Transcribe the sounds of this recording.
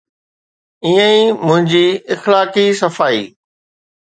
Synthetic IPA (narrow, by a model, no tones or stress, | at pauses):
iːə̃ĩmʊ̃ɦɪ̃ɲd͡ʑiːɪxlaːkisɐfaːḭː